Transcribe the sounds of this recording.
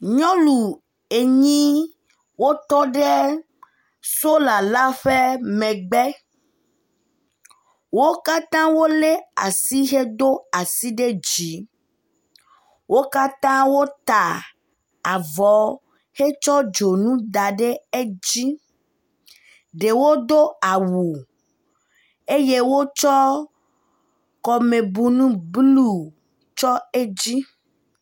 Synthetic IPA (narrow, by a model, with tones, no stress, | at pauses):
ɲɔ̃˦lu˨ | e˨ɲĩ˦ | wo˦t̪ɔ˦ɖe˦ | so˦la˨la˦ɸe˦mɛ̃˨ɡ͡bɛ˦ | wo˦ka˦t̪ã˦wo˦le˦a˨si˦ɦe˦d̪o˦a˨si˦ɖe˦d͡ʒi˨˦ | wo˦ka˦t̪ã˦wo˦t̪a˨ | a˨vɔ˨˦ | he˦t͡ʃɔ˦d͡ʒo˨nũ˦d̪a˨ɖe˦e˦d͡ʑi˦ | ɖe˨wo˦d̪o˦a˨wu˨ | e˦je˦wo˦t͡ʃɔ˦ | kɔ˨mẽ˨bu˨nũ˦blu˦ | t͡ʃɔ˦e˦d͡ʑi˦